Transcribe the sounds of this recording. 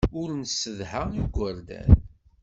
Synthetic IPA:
ʊɾnsəðhaiɡʷəɾd̪æ̰n

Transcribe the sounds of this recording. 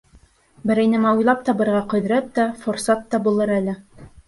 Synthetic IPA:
bɘ̆ɾɘ̆jnɘ̆mæujlˠɑp̚t̪ɑbɤ̆ɾʁɑqɵ̆ð̆ɾæt̪̚t̪ːæfoɾsɑt̪ːɑbulˠɤɾælɘ

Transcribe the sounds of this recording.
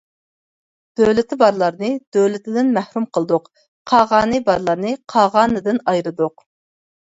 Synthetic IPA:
d̪̥øwlɪt̪ʰɪbɑɾlˠɑɾnɨd̪̥øwlɪt̪ʰɪd̪ɪnmæhɾumqʰəlˠd̪ʊqʰ | ɑːʁɑːnɨbɑɾlˠɑɾnɨqʰɑːʁɑːnɨd̪ɪnɑjɾɨd̪ʊq

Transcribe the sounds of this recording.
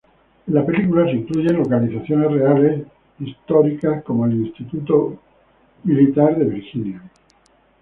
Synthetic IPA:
lape̞likulas̬iŋkluʝe̞nlo̞kaliθaθjo̞ne̞sreale̞s | ist̪o̞ɾikasko̞moelinst̪it̪ut̪o | milit̪aɾðe̞β̞iɾxinja

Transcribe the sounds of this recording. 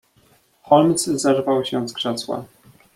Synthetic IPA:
xɔlmt̪szaʐvawɕɛzɡʂɛswa̰

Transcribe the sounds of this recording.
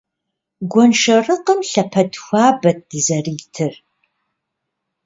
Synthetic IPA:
ɡʷɔnʂɐrɨqəmɬɐpʰɐdxʷaːbɐt̚d̥ɨzɐriːtʰɨr

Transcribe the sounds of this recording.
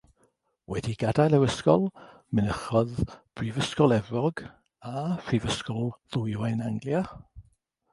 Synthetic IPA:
wɛdiɡadajlˠɛwəskɔlˠ | mɪnəχɔðb̥rivəskɔlˠɛvɔɡ | afrivəskɔlˠðʊjajnaŋɡlja

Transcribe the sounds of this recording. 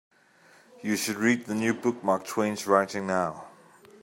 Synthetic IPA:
juʃʊdɹiːd̪̚ðənjuːbʊk̚maːk̚tʰw̥ẽnzɹaɪtɪ̃ŋnaʊ

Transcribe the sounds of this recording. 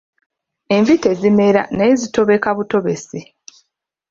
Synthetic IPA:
e̞ɱvite̞zime̞ɾa̰najezito̞βe̞kaβuto̞βe̞se

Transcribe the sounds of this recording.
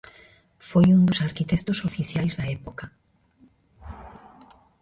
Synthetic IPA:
fojund̪osaɾkit̪ɛkt̪osofiθjajzðɐɛpokɐ

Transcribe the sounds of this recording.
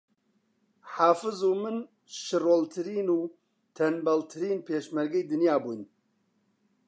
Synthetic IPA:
ħaːfɨzuːmɨn | ʃɨroːlt̪ʰɨɾiːnuː | t̪ʰɐnbɐlt̪ʰɨɾiːnpʰeːʃmɐɾɡɐjd̪ɨnjaːbuːn

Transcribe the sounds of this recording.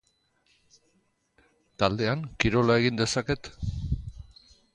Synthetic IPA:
t̪ald̪e̞aŋkiɾo̞lae̞ɣ̞ind̪e̞sake̞t̪

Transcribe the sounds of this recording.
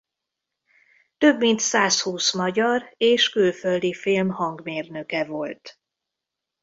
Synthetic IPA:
t̪ø̞bːint̪saːshuːsmɒɟɒreːʃkylføld̪ifilmhɒŋɡmeːrnøkɛvo̞lt̪

